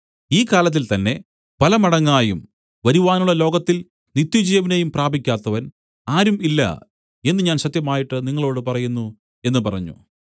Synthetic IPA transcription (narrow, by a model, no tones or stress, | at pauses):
iːkaːlɐt̪̬ːilt̪ɐnːe̞ | pɐlɐmɐɽɐŋːaːjum | ʋɐɾuʋaːnuɭːɐlo̞ːɡɐt̪ːil | nit̪ːjud͡ʑijɐʋinejumpraːbʱikʲːaːt̪ːɐʋɐn | aːɾumilːɐ̰ | e̞nːɨɲaːnɕɐt̪jɐmaːjiʈːɨniŋːɐɭo̞ːɽɨpɐrɐjunːu | e̞nːɨpɐrɐɲːṵ